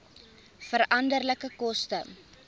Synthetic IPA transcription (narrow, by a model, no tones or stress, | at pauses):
fəɾɐndərləkəkɔstə